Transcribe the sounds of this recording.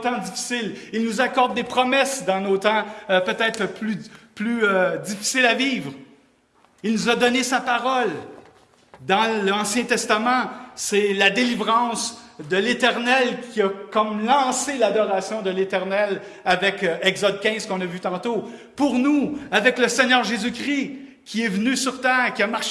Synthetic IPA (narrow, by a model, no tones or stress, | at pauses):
t̪ɑ̃dd͡zifi̥sɪlilnuzakɔʁd̪ːepχɔmɛsd̪ɑ̃not̪ɑ̃pøt̪ɛːt̪ʁplyplyød͡zifi̥sɪlaviːvʁ | ilnuzad̪ɔnesapaʁɔl | d̪ɑ̃lɑ̃sjɛ̃t̪ɛst̪amɑ̃sɛlad̪elivʁɑ̃sd̪əlet̪ɛʁnɛlkʲʰiakɔmlɑ̃selad̪ɔʁasjɔ̃d̪əlet̪ɛʁnɛl | avɛkɛɡzɔd̪̚kʲɛ̃ɪ̃z̥kɔ̃nəvyt̪ɑ̃t̪opuʁnuavɛkləsɛɲœːʁʒezykʲʁi | kʲʰiɛvnysyʁt̪ɛːʁkʲiamaʃ